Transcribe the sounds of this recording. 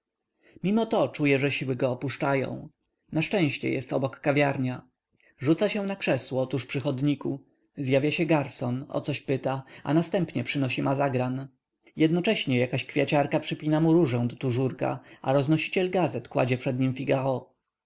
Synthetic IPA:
mʲimɔt̪ɔt͡ʂujɛʐɛɕiwɘɡɔːpuʂt͡ʂajɔ̰̃w̃ | naʂt͡ʂɛ̃w̃ɕt͡ɕɛ̰jɛ̰st̪ɔbɔkːavʲjaɾɲa | ʐut̪saɕɛ̃nakʂɛswɔɔt̪uʂpʂɘxɔd̪ɲiku | zjavʲjaɕɛɡaɾsɔnɔ̰t̪sɔɕpɘt̪aa̰nast̪ɛmpɲɛpʂɘnɔɕimazaɡɾan | jɛd̪nɔt͡ʂɛɕɲɛjakaɕkfʲjat͡ɕaɾkapʂɘpʲinamuɾuʐɛ̃w̃d̪ɔt̪uʐuɾka̰a̰ɾɔznɔɕi̥t͡ɕɛlɡazɛt̪kwa̰d͡ʑɛpʂɛd̪ɲimfʲiɡaɔ

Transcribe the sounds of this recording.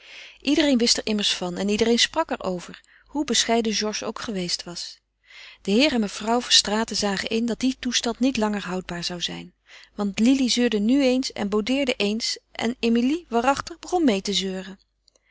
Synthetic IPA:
ʔidərejnʋɪstɛɹʔɪməɹsfɑnɛnidərejnsprɑkɛɹowvəɹ | hubəsχɛjdəʒɔɹʒo̰wkχəʋejstʋɑs | d̥əɦɪːrɛnməfrʌwvɑnstraːtəzaːχəʔɪndɑt̚ditustɑntnitlɑŋəɹɦʌwd̚baːɹzɑwzɛ̰jn | ʋɑntlilizøːɹdənyejnsɛ̰nbowdɪːɹdəʔejnsʔɛ̰nemiliʋaːrɑχtəχbəχɔnmejtəzøːrə

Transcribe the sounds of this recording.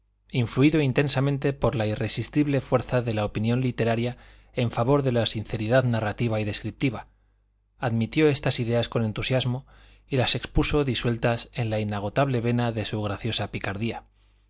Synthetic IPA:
iɱfluiðo̞int̪ẽ̞nsamẽnt̪e̞po̞ɾlaire̞sist̪iβle̞fwe̞ɾθaðe̞laopinjo̞nlit̪e̞ɾaɾja | e̞ɱfaβo̞ɾðe̞lasinθe̞ɾiðaðnarat̪iβaiðe̞skɾip̚t̪iβa | aðmit̪jo̞e̞st̪asiðe̞asko̞ne̞nt̪usjazmo̞ | ilase̞kspuso̞ðiswe̞lt̪ase̞nlainaɣ̞o̞t̪aβle̞βe̞naðe̞suɣ̞ɾaθjo̞sapikaɾðia

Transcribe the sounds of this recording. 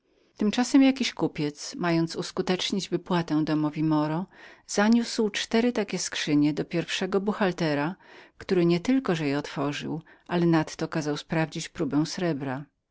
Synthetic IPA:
t̪ɘmt͡ʂasɛmjakʲiɕkupʲjɛt̪smajɔnt̪suskut̪ɛt͡ʂɲid͡ʑvɘpwat̪ɛw̃d̪ɔmɔvʲimɔɾɔz̥aɲuswt͡ʂt̪ɛɾɘt̪akʲɛskʂɘɲɛd̪ɔpʲjɛɾfʂɛɡɔbuxalt̪ɛɾakt̪uɾɘɲɛt̪ɘlkɔʐɛjɛɔt̪fɔʐɘ̰w | ʔalɛnat̪ːɔkazawspɾavd͡ʑit͡ɕpɾubɛ̃w̃sɾɛbɾa

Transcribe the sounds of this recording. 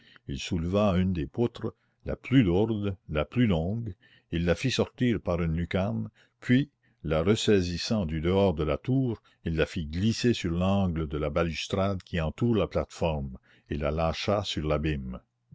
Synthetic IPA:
ilsulvaynd̪epʊt̪ɾə | la̰plyluʁd̪laplylɔ̃ːɡ | ilːafisɔʁt̪iːʁpaʁynlykan | pʰɥi | laʁəsɛːzisɑ̃d̪yd̪əɔːʁd̪əlat̪uːʁ | ilːafiɡlisesyʁlɑ̃ːɡləd̪əlabalyst̪ɾad̪kʰʲiɑ̃t̪uːʁlaplat̪fɔʁm | ela̰laːʃasyʁlabim

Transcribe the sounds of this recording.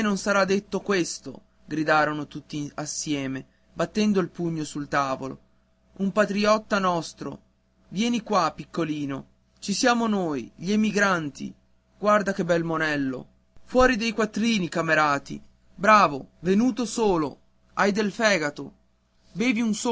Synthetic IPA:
nonsaɾad̪ːet̪ːokwest̪o̰ | ɡɾid̪aːɾonot̪ut̪ːiasːjɛːme | bat̪ːɛnd̪oilpuɲːosult̪aːvolo̰ | umpat̪ɾiɔt̪ːanɔst̪ɾo̰ | vjɛːnikwapikːoliːno̰ | t͡ʃisjaːmonoːjʎiemiɡɾant̪ḭ | ɡ̥ward̪ak̟ebɛlmonɛlːo̰ | fwɔːɾid̪ejkwat̪ːɾiːnikameɾaːt̪ḭ | bɾaːvovenuːt̪osoːlo | ajd̪elfɛːɡat̪o | beːviunso

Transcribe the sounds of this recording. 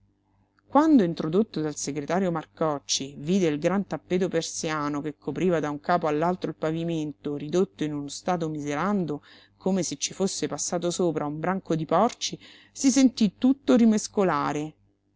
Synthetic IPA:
kwand̪oint̪ɾod̪ot̪ːod̪alseɡɾet̪aːɾjomarkɔt͡ʃːiviːd̪eilɡɾant̪apːeːt̪opersjaaːnokekʰːopɾiːvad̪auŋkaːpoalːalt̪ɾoilpaviment̪oɾid̪ot̪ːoinunost̪aːt̪̬omizeɾand̪o | komeset͡ʃːifosːepasːaːt̪osoːpɾʔaumbɾaŋkod̪ipɔrt͡ʃi | sisent̪it̪ːut̪ːoɾimeskolaːɾe

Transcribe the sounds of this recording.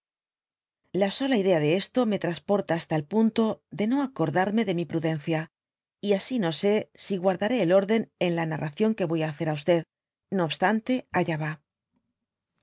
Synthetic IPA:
laso̞laiðe̞aðe̞e̞st̪o̞me̞t̪ɾaspo̞ɾt̪aːst̪aelpunt̪o̞ðe̞no̞ako̞ɾðaɾme̞ðe̞mipɾuðe̞nθja | iasino̞se̞siɣwaɾðaɾe̞ːlo̞ɾðe̞ne̞nlanarʔaθjo̞ŋke̞βo̞jaːθe̞ɾaust̪e̞ð | no̞ːβst̪ant̪e̞aʎaβa

